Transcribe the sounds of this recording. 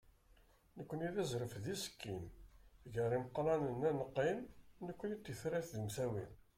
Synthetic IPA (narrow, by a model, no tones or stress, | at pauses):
nəkʷːəniðæzɾəfðisə̥kːinʝəɾˤiməqːɾɑnənænəqːinːəkʷːənit̪ːiəθɾæθðəmθæwin